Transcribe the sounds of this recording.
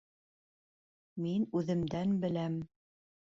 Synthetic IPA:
minʉðɘ̆md̪ænbɘ̆læm

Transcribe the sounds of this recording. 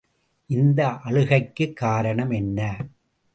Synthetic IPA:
ʔɪnd̪ɐʔɐɻɯɣɐɪkːɯkːaːɾɐɳɐmɛnːɐ

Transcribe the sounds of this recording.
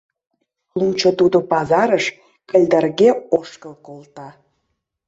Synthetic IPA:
lunt͡ɕot̪ud̪opɑzɑɾəʃ | kəlʲd̪ərɣeoʃkəlkolt̪ɑ

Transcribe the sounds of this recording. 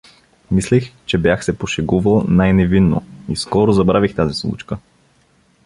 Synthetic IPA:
mislixt͡ʃɛbjaxsɛpoʃɛɡuvəlˠnajnɛvinːo̰iskɔɾozɐbɾavixt̪azislˠṵt͡ʃkə

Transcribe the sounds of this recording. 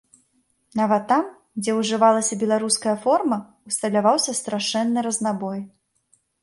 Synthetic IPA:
navɐt̪ːam | d͡zʲɛwʐɨvalˠɐsʲɐbʲɛlˠaɾuskɐjɐfɔrmɐ | ust̪ɐlʲavawsʲɐst̪ɾaʂɛnːɨɾɐznabɔj

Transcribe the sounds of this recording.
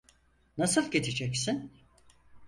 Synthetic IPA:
nasɯlˠɟet͡ʃʰed͡ʒɛcsin

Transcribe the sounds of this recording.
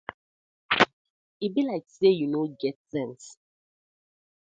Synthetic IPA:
ibilaɪksejunoɡɛtsɛ̃ns

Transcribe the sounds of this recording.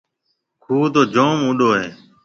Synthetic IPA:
kʰuːd̪oːd͡ʒoːmʊɗoːɦeː

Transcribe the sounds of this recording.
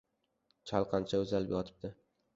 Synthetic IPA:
t͡ʃʰalˠqʰɑnt͡ʃʰaɵzalɪpjɒt̪ʰɪ̥b̚d̪ɪ

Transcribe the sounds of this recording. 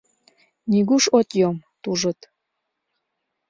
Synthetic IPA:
nʲiɡuʃot̪ʲjomt̪uʒə̆t̪

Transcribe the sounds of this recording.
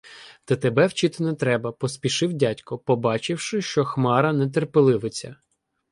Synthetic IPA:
t̪ɛt̪ebɛwt͡ʃɪt̪ɪnɛt̪ɾɛbɐpɔspʲiʃɪwdʲatʲkɔpɔbɑt͡ʃɪwʃɪʃt͡ʃɔxmɑɾɐnɛt̪̬erpelˠɪʋɪt͡sʲɐ

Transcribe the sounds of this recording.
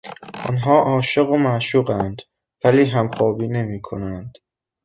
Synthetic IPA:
ʔɒ̰nɦɒːʔɒːʃe̞ɣomæʃuːɢænd̪̥ | væliːɦæmxɒːbiːne̞miːkʰo̞nænd̪̥

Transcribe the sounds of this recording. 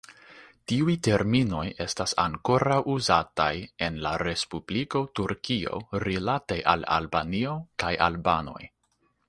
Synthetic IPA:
tiujte̞ɾmino̞je̞stasa̰ŋko̞ɾawʔuzataje̞nlaɾe̞spubliko̞tuɾkio̞̰ɾilatejʔa̰la̰lbanio̞kajʔa̰lbano̞̰j

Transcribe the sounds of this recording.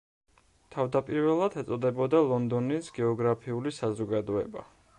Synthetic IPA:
t̪ʰavd̪apʼiɾvɛlˠad̪ɛt̪sʼɔd̪ɛbɔd̪alˠɔnd̪ɔnisɡɛɔɡɾapʰiulisazɔɡad̪ɔɛ̰ba

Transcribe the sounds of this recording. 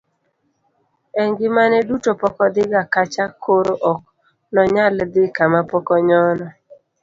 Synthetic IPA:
ɛŋɡɪmanɛdutopɔkɔd̪ɪɡakat͡ʃakʰoɾoʔɔk̚ | nɔɲald̪ɪkamapɔkɔɲɔnɔ

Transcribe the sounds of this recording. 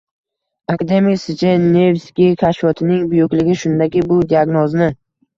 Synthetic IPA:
akad̪e̞miksɪt͡ʃʰanevskʲikʲʰaʃvɒt̪ʰɪnɪŋbʊjʊkʲlɪɡʲɪʃʊnd̪akʲɪbʊd̪iaɡnɒznɪ

